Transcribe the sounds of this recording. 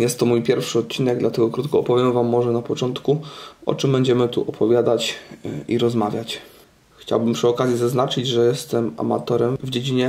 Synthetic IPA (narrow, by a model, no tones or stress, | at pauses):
jɛst̪ːɔmujpʲjɛɾfʂɘɔt̪̚t͡ɕːinɛɡ̚d̪lat̪ɛɡɔkɾut̪kɔːpɔvʲjɛmvamːɔʐɛnapɔt͡ʂɔnt̪kuɔ̰t͡ʂɘmbɛɲd͡ʑɛmɘt̪ṵʔɔpʰɔvʲjad̪at͡ɕḭɾɔzmavʲjat͡ɕ | xt͡ɕa̰wbɘmpʂɘɔkazʲjizaznat͡ʂɘd͡ʑʐɛjɛst̪ɛma̰ma̰t̪ɔɾɛmvd͡ʑed͡ʑiɲɛ